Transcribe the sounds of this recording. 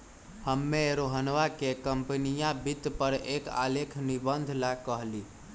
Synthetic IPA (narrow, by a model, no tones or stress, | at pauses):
həmːeɾoɦənʋakekəmpnijabit̪pəɾeka̰lekʰnibənd̪ʱlakəɦli